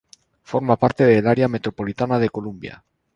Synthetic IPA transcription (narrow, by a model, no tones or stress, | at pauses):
fo̞ɾmapaɾt̪eðelaɾeame̞t̪ɾopo̞lit̪anað̞e̞ko̞lumbja̰